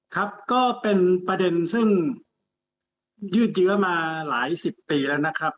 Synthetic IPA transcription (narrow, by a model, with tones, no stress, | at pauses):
kʰa˦˥p̚kɔː˥˩pe˧npɾa˧de˧nsɯ˥˩ŋ | jɯː˥˩t̪̬̚jɯ˦˥ɐmaː˧laː˩˦jsi˨˩p̚ːiː˧lɛː˦˥wna˦˥kʰɾa˦˥p̚